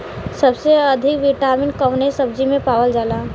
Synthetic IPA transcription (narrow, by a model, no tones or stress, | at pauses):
səbseəd̪ʱɪkʋɪʈaːɾmɪ̃ɳkəɦnesəb̚d͡ʒimẽpaːwəld͡ʒaːlaː